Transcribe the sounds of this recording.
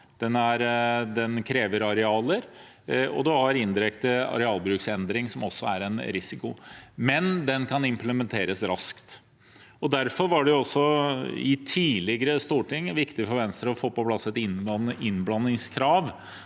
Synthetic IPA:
d̪̥ɛnæɾd̪ɛnkʰɾeːʋəɾɑɾɛɑːləɾ | ɔ̰d̪ʉhɑɾɪnd̪ɪɾɛkt̪əɑ̰ɾɛɑːlˠbɾʉːksɛnd̪ɾɪŋsɔmɔsːɔæɾɛnɾɪsɪkʊmɛnd̪ɛnkʰɑnɪmpləmɛnt̪ʰeːɾəsɾɑskt̪ | ɔd̪æɾfɔɾʋɑɖɛjʊɔsːɔɪ̰t̪ʰiːlɪɡəɾəst̪uːʈɪŋːʋɪkt̪ɪfɔɾʋɛnst̪ɾəɾɔfoːpɔpʰlɑsːɛt̪ɪnɪnblɑnːɪŋskʰɾɑːʋ

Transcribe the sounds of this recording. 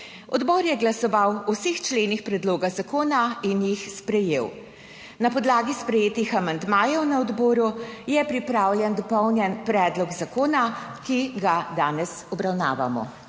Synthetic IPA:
ɔ̰d̪bɔɾjɛɡlasɔʋawusext͡ʃleːnixpɾɛd̪loːɡazakoːnainjixspɾɛjew | napɔd̪laːɡispɾɛjeːt̪ixamand̪maːjɛwnaɔd̪bɔːɾujɛpɾipɾaːwlʲjɛnd̪ɔpɔwnjɛnpɾɛːd̪lɔɡzakoːnakiɡad̪aːnɛsɔbɾawna̰ːʋa̰mɔ̰

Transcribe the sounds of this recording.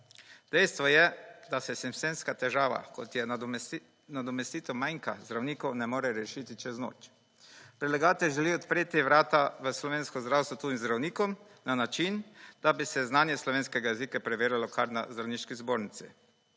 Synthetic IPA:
d̪̥ɛjst̪ʋɔjɛd̪asɛsimsenskat̪ɛʒaːʋa̰kɔ̰t̪jɛ | nad̪ɔmɛst̪iːt̪ɛmajŋka̰zd̪ɾawniːkɔwnɛmoːɾɛɾɛʃit̪it͡ʃɛzno̰ːt͡ʃ | pɾɛlɛɡaːt̪ɛʒɛliɔt̪pɾeːt̪iʋɾaːt̪aʋəslɔʋeːnskɔzd̪ɾawst̪ʋɔt̪uːimzd̪ɾawniːkɔm | nanat͡ʃind̪̥abisɛznaːnjɛslɔʋeːnskɛɡajɛzikapɾɛʋeːɾjalɔkʰaɾna̰zd̪ɾawniʃkizboːɾnit̪sḭ

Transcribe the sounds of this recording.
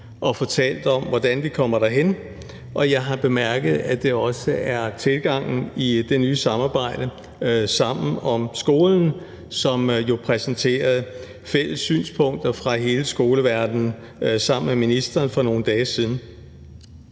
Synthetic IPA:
ʔɒ̽fɒ̽t͡sʰɛ̰ːl̰d̥ɒ̽mʋɒd̥ænʋikʰɒ̽m̰ɐɾ̥ɑɦen̰ | ʔɒ̽jɑ̈ɪɦɑ̈b̥e̝mæɐɡ̥əð̩ˠæd̥e̝ɒ̽səæɐt͡sʰe̝lɡ̥ɑ̈ŋ̰n̩id̥e̝nyːsɑ̈mɑ̈ːb̥ɑ̈ɪ̰d̥ə | sɑ̈m̰n̩ɒ̽msɡ̥o̝ːln̩ | sɒ̽mjo̝pʰʁɛsn̩t͡sʰe̝̰ːɐð̩ˠ | fel̰əsːy̰ːnspʰɔ̽ŋ̰d̥ɐfʁɑ̈ɦe̝ːləsɡ̥o̝ːləʋæɐd̥n̩ | sɑ̈m̰n̩meminisd̥ɐːnfɒ̽no̝ːn̩d̥ɛːsiðˠn̩

